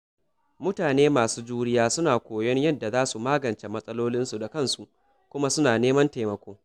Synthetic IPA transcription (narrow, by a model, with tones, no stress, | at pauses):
mʊ˦taː˨neː˦maː˨suː˦d͡ʒuː˦ɽɪ˦jaː˦sʊ˦naː˨kʷoː˨jɔ˦ɲjɐ˦da˨zaː˦su˨maː˦ɡɐ˨nt͡ʃe˨mɐ˦sʼɐ˦loː˦lɪ˦nsu˨da˨kɐ˦˨nsu˨ʔ | kʷʊ˦ma˦sʊ˦naː˨neː˦mɐ˦nteː˨mɐ˨kʷoː˦